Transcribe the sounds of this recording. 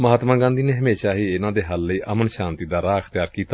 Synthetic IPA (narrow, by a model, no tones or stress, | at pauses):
məɦaːt̪mãːɡãːnd̪iːneːɦəmeːʃaːɦiːɪnãːd̪eːɦəlːəiːʔəmənʃaːnt̪iːd̪aːɾaːkʰt̪ɪjaːɾkiːt̪a